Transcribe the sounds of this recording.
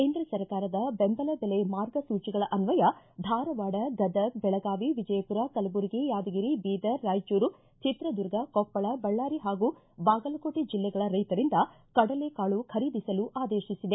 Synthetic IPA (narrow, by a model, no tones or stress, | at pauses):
keːnd̪ɾɐsɐɾkaːɾɐd̪ɐbembɐlɐd̪ɐlemaːɾɡɐsuːt͡ʃiɡɐɭɐʔɐnʋɐjɐd̪ʱaːɾɐʋaːɽɐɡɐd̪ɐbɛɭɐɡaːʋiʋid͡ʒɐjɐpuɾɐkɐlɐbuɾɡijaːd̪ɐɡiɾibiːd̪ɐɾːaːjt͡ʃuːɾu | t͡ʃit̪ɾɐd̪uɾɡɐkɔpːɐɭɐbɐɭːaːɾiɦaːɡu | baːɡɐlɐkoːʈid͡ʒilːɛɡɐɭɐɾɐjt̪ɐɾind̪ɐ | kɐɽɐlekaːɭukʰɐɾiːd̪isɐluʔaːd̪eːʃisid̪e